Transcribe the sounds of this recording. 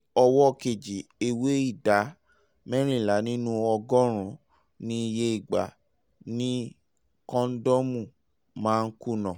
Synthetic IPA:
ɔ˧wɔ˦˨ke˨d͡ʒi˨e˧we˦i˦˨da˨˦ | mɛ˦ɾ̃ĩ˦˨la˨˦nĩ˦nũ˦ɔ˧ɡɔ˦ɾ̃ũ˨˦ | nĩ˦i˧je˧i˨ɡ͡ba̰˨ | nĩ˦ | kɔ̃˦n̩˦dɔ˦mũ˦˨ | mãː˦˧n̩˦ku˦˨nã˨

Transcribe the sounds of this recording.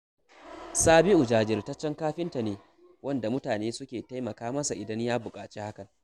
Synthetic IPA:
saː˦bɪ˦ʔʊ˨d͡ʒaː˨d͡ʒɪ˨rtɐ˦t͡ʃːɛ˦ŋkaː˦ɸɪ˦nta˨neː˨ | wɐ˦nda˨mʊ˦taː˨neː˦sʊ˦kʲeː˨ta˦jmɐ˨kaː˦mɐ˦sa˨ʔɪ˨dɐ˦ɲjaː˦bʊ˨kʼaː˨t͡ʃeː˦ha˦kɐ˨n

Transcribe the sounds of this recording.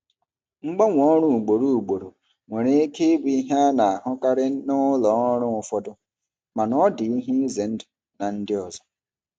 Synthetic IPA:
ŋ͡m̩˦ɡ͡ba˦ŋʷ˨ɔ˦ɾ̃ʊ˦u˨ɡ͡bo˨ɾu˦u˨ɡ͡bo˨ɾo˨ | ŋʷe˨ɾe˦e˦ke˦bu˨i˦ɦa˦na˨a˨ɦʊ˦ka˦ɾɪ˦nʊ˦lɔ˨˦ɾʊ̃˦ʊ˨fɔ˦dʊ˦ | ma˨nɔ˦dɪ˨i˦ɦi˦ze˨n̩˦dɪ˨ | na˨n̩˦dɪ˦ɔ˨zɔ˦

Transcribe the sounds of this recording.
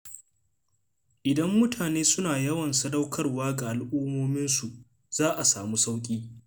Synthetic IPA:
ʔɪ˨dɐ˦mːʊ˦tʰaː˨neː˦sʊ˦naː˨jɐ˦wɐ˨nsɐ˦dɐ˦wkʰɐ˦rwaː˦ɡa˨ʔa˨lʔuː˦moː˦mɪ˦nsu˨ʔ | z̥aː˦ʔa˨saː˨mu˦sa˦wkʲʼiː˦

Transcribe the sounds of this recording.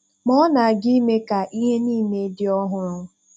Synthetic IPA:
mɔ˦na˨a˨ɡi˦me˦ka˨ʔi˦ɦe˦niː˦˨me˨˦dɪ˦ɔ˦ɦʊ˦ɾʊ˦

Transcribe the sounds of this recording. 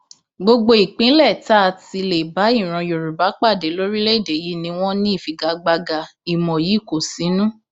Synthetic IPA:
ɡ͡bo˧ɡ͡bo˧i˨k͡pĩ˨˦lɛ˦˨ta˦˧˨ti˧le˨ba˨˦i˦˨ɾ̃ɔ̃˧jo˨ɾu˨ba˨˦k͡pa˦˨de˨˦lo˦ɾi˦le˦i˦˨de˨ji˨˦nĩ˧w̃ɔ̃˦nĩ˦i˦˨fi˨ɡa˨˦ɡ͡ba˧ɡa˧i˨mɔ̃˨ji˨˦˨ko˨sĩ˨˦nũ˦

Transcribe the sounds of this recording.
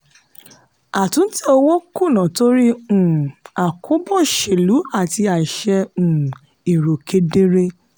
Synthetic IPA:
a˨tũ˨˦n̩˦ti˦o˧wo˦ku˦˨nã˨to˦ɾi˦ũ˦˨a˨kʰo˦bɔ˦˨ʃe˨lu˨˦a˦˨ti˧a˨i˨ʃɛ˧ũ˨ | i˨ɾo˨ke˧de˦ɾe˦

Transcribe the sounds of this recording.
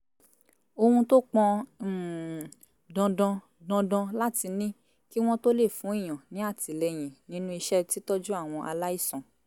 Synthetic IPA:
o˧hũ˧to˦k͡pɔ̃˧˨ | dɔ̃˧dɔ̃˧ | dɔ̃˧dɔ̃˧la˦ti˧nĩ˦ | ki˦w̃ɔ̃˦to˦le˦˨fũ˨˦i˦˨j̃ã˨nĩ˨˦a˦˨ti˨le˧j̃ĩ˨nĩ˨˦nũ˦i˧ʃɛ˦ti˦tɔ˦d͡ʒu˦a˦˨w̃ɔ̃˧ʔa˧la˦i˦˨sɔ̃˨

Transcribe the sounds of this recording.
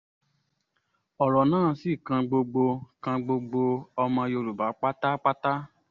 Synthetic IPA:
ɔ˨ɾɔ˨nãː˦˨˦si˦˨kã˧ɡ͡bo˧ɡ͡bo˧kã˧ɡ͡bo˧ɡ͡bo˧ɔ˧mã˧jo˧ɾu˨ba˨˦k͡pa˦ta˦k͡pa˦ta˦

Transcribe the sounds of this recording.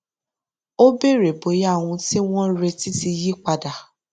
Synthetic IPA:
o˦be˦˨ɾe˨bo˨˦ja˦˨w̃ũ˧ti˦w̃ɔ̃˦ɾe˧ti˦ti˧ji˦k͡pa˧da˨

